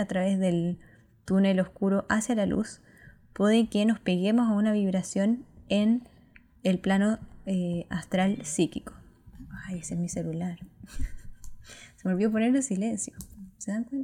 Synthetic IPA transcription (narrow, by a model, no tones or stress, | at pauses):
at̪ɾaβe̞zðe̞l | t̪unelohkuɾo̞ʔasjalalṵs | pweðekeno̞spe̞ɣe̞mo̞saunaβiβ̞ɾasjo̞ne̞n | elplano̞ea̰st̪ɾalsikiko̥ajesezmise̞lulaɾ | seβolβjop̬oneɾlesile̞nsjoseðaŋkwent̪